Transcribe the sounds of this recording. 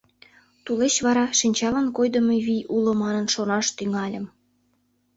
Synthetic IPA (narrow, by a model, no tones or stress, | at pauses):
t̪ulet͡ɕβɑɾɑʃinʲt͡ɕɑlɑnkojd̪ə̆meβiʔulomɑnənʃonɑʃt̪yŋɑlʲəm